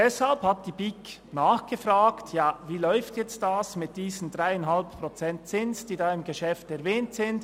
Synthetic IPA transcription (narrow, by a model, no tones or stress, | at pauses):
dɛshalphat̚d̥iːbik | naːxɡ̥əfraːktʰjaːviːlɔʏftjɛt͡stdasmɪt̚d̥iːzən̩dʁaɪanɦalppʁot͡sɛnt̚t͡sɪnsd̥iːdaːɪmɡeʃɛftɛʁvɛːntsɪnd